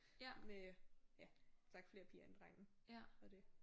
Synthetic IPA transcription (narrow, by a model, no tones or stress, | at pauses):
mejæt͡sʰɑ̈ɡ̥fle̝ːɐpʰiːɐend̥ʁaŋ̰n̩ɒd̥e̝